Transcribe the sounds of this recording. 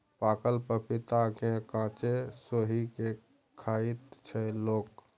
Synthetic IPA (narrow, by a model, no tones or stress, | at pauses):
paːkəlpəpɪt̪akekãːt͡ʃesoːɦike | kʰaːit̪t͡ʃʰəloːk